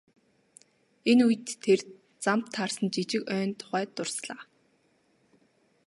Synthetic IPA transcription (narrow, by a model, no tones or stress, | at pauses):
enuj̆t̪ʰːer | t͡samt̪ʰːarsə̆nt͡ɕit͡ɕɪ̆kœːnt̪ʰʊ̥χæːt̪ːʊrsɮaː